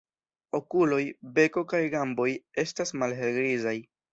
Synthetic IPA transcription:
o̞kulo̞jbe̞ko̞kajɡambo̞je̞stasmalɦe̞lɡɾizaj

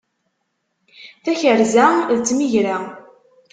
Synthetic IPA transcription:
θæçəɾzæðt͡sːmiʝɾa

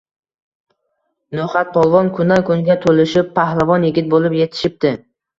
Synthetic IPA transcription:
noχat̪̚pʰɒlˠvɒnkʰʊnakʊnɪɡʲat̪ʰolɪʃɪpʰːahlˠavɒnjɪɡʲɪt̪̚bolɪpjet̪ʰɪ̥ʃɪp̚t̪ɪ

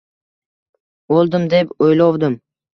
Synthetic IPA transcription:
olˠd̪ɪmd̪epojlɒwd̪ɪm

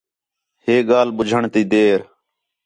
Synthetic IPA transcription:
ɦeːɡaːlɓʊd͡ʒʱəɳt̪iːd̪eːɾ

